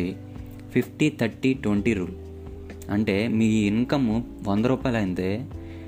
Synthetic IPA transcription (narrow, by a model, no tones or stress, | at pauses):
i | pʰipʰʈit̪ʰɐɾʈːiʈʋeɳʈiɾuːlu | ɐɳʈe̞ːmiːiŋkɐmuʋɐnd̪ɐɾuːpaːjlɐjind̪eː